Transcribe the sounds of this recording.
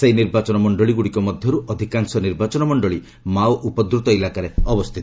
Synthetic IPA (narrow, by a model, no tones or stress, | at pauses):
seiniɾbat͡ʃɔnɔmɔɳɖɔɭiɡuɽikɔmɔd̪ʱjɔɾuʔɔd̪ʱikaŋsɔniɾbat͡ʃɔnɔmɔɳɖɔɭi | mawʔupɔd̪ɾut̪ɔilakaɾeɔbɔst̪ʰit̪i̥